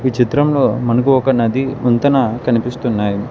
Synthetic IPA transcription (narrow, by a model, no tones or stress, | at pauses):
ʋit͡ʃit̪ɾɐmlo̞ːmɐnɐkuɔkɐnɐd̪iunt̪ɐnɐkɐnipist̪unːaːji